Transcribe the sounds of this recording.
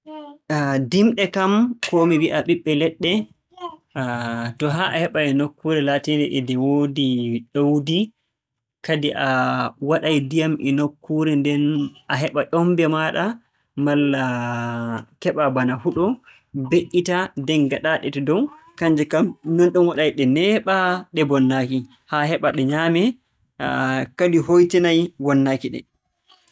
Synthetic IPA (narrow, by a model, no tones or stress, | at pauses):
dimɗɛkamkomiwiʔaɓiɓːɛlɛɗːɛ | tɔɦaʔahɛɓaɛnokːuɾɛlaːtindɛʔɛdɛwodiɗowdi | kadiʔawaɗajdijamʔɛnokʰːuɾɛndɛnʔaɦɛɓaʔɔmbɛmaɗa | malːa | kɛɓabanahuɗɔ | beɗːitadɛnɡaɗaɗɛtɛdɔw | kaɲd͡ʒɛkamnɔnɗunwaɗajɗɛnɛɓaɗɛbɔnːaki | hahɛɓaɗɛɲaːmɛ | kadiɦojtinajwɔnːaːkiɗɛ̰